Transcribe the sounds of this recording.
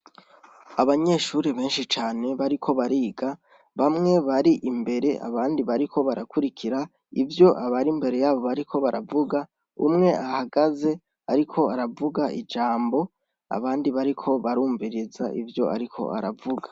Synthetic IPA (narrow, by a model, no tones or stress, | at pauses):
aβaɲe̞ʃuːɾiβe̞ːnʃit͡ʃaːne̞βaɾikʰo̞βaɾiːɡa | βamŋe̞βaɾiʔimbe̞ɾe̞ʔa̰βaːndiβaɾikʰo̞βaɾakuɾikʰiɾa | ivjo̞ʔaβaɾimbe̞ɾe̞jaːβo̞βaɾikʰo̞βaɾavuɡa | ṵmŋe̞ahaɡaze̞ | aɾikʰo̞aɾavuɡaḭd͡ʒaːmbo̞ | a̰βaːndiβaɾikʰo̞βaɾuːɱviɾizaʔivjo̞ʔa̰ɾikʰo̞̰a̰ɾavuɡa